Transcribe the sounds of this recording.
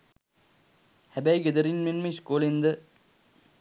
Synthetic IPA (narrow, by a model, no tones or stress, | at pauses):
hæbæjɡed̪əɾinmenmeʃkoːlend̪ə